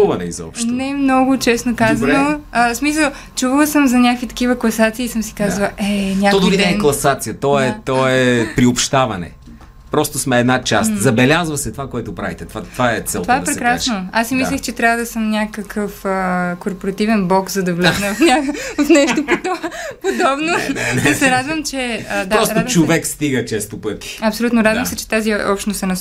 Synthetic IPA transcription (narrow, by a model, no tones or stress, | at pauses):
uvɐnɛizɔ̰pʃʃt̪nɛmnɔɡʊt͡ʃɛsnokazɐnoəsmis̬əlˠ | t͡ʃuvəlˠsəmzɐnʲakvit̪ɐ̥kivəklˠɐsat̪siːsəmsi̥kazvɐlˠʔɛnʲak̪ɔd̪ovid̪ɛɛklˠɐsat̪sijət̪ɔɛt̪ɔɛɛpɾiopʃt̪avɐnɛ̰ | pɾɔst̪osmɛːd̪nat͡ʃast̪zɐbɛlʲazvɐsɛt̪ovakoɛt̪ʊpɾa̰vit̪ɛt̪vat̪ːvaɛt̪sɛtlt̪ovaɛpɾɛkɾasnoasːimislʲɛxt͡ʃɛt̪ɾʲavəd̪ɐsəmnʲakəkʰəfəkoɾpoɾɐt̪ivɛnblˠɔkzɐd̪ɐvlɛɡnɐvɐfnʲaɐfnɛʃt̪opod̪pod̪ɔbnoɛnsɛɾad̪vɐmt͡ʃɛəd̪aɾɔsɾad̪t͡ʃovɛkst̪iɡət͡ʃɛst̪opɤt̪i̥ɐpsolʲut̪noɾad̪vɐmsɛt͡ʃɛ̥t̪aziɔpʃt̪nost̪ɛnɐ